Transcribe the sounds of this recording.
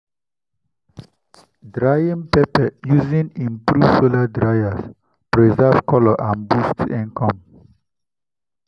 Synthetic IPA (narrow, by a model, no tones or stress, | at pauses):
dɾajĩmpɛpɛjuzĩnĩmpɾuvsoladɹajas | pɾɛzɛvkɔlɔʔãnbustɛ̃nkɔ̃m